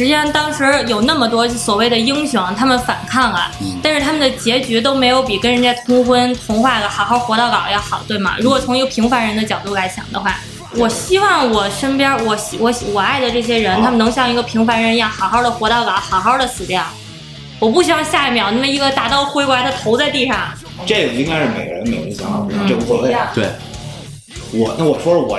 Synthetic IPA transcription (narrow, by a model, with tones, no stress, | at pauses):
ʂɻ̩˧˥t͡ɕʂɑ˥˧ŋt̪ɑ˥ŋʂɻ̩˧˥jo˨˩ʊna˥˩mə˩t̪wɔ˥t͡ɕswɔ˨˩we˥˩ɪd̪ə˩i˥ŋɕjʊ˧˥ŋt̪ʰa˥mə˨nfa˨˩nkʰa˥˩ŋə̰˩t̪a˥˧nʂɻ̩˥˩t̪ʰa˥mə˨nd̪ə˩t͡ɕjɛ˧˥t͡ɕɛ˧˥t̪̬o˥ʊme˧˥ɪjo˧˥ʊpi˨˩kə˥nɻə˧˥nt͡ɕa˥˩ɪt̪ʰʊ˥ŋxwə˥nt̪ʰʊ˧˥ŋxwa˥˩ɡə˨˩xɑ˨˩ʊxɑ˥˩ʊxwɔ˧˥ɾɑ˥˩ʊkɑ˨˩ʊjɛ˥˩xɑ˨˩ʊt̪we˥˩ɪmɐ̰˩ɻu˧˥kwɔ˨˩t͡sʰʊ˧˥ŋi˧˥ɡə˧˩pʰi˧˥ŋfa˧˥nɻə˧˥nd̪ə˧t͡ɕjɑ˨˩ʊt̪u˥˩la˧˥ɪɕjɑ̰˨˩ŋd̪ə̰˦xwa̰˥˩ | wɔ˨˩ɕi˥wɑ˥˩ŋwɔ˨˩ʂə˥npjɑ˥wɔ˧˥ɕwɔ˧˥ɕwɔ˨˩a˥˩ɪd̪ə˩ʈ͡ʂɤ˥˩ɕ̬jɛ˥ɻə˧˥nt̪ʰa˥mə˨nɤ˧˥ŋɕjɑ˥˩ŋi˧˥ɡə˧pʰi˧˥ŋfa˧˥nɻə˧˥njɑ˥˩xɑ˨˩ʊxɑ˥˩ʊd̪ə˩xwɔ˧˥ɾɑ˥˩ʊkɑ˨˩ʊxɑ˨˩ʊxɑ˥˩ʊd̪ə˨sɹ̩˨˩ljɑ˥˩ʊ | wɔ˨˩p̬u˥˩ɕi˥wɑ˥˧ŋɕja˥˩i˥˩mjɑ˨˩ʊna˥˩mə˩i˧˥ɡə˧t̪a˨˩t̪ɑ˥˩ʊxwe˥ɪkwa˧˥d̪ə˧t̪ʰo˧˥ʊt͡sa˥˧ɪt̪i˥˧ʂɑ˥˩ŋ | ʈ͡ʂe˥˩jji˥ŋka˥ɪʂ̩˥˩me˨˩ɪɡə˦ɻə̰˧˥nme˨˩ɪ˩ə̰˧˥ɕɑ˧˥ŋ˥˧˩n̩˥˩ʈ͡ʂɤ˥˩pu˧˥wɛ˥˧˥e˥˩t̪we˥˩ɪ | wɔ˨˩na˥˩wɔ˨˩ʂwɔ˥lə˨wɔ̰˨˩